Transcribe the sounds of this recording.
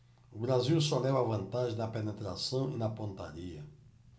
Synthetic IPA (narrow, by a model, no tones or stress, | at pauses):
ubɾaziwsɔlɛvɐvɐ̃nt̪aʒẽnɐpenet̪ɾasɐ̃w̃inɐpõnt̪a̰ɾiɐ